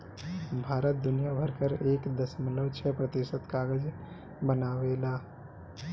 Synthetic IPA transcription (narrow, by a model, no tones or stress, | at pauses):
bʱaːɾət̪̚d̪ʊnijabʱəɾkəɾeːkd̪əsmələwt͡ʃʰɛpɾət̪isət̪kaːɡəd͡ʒ | bənaːʋela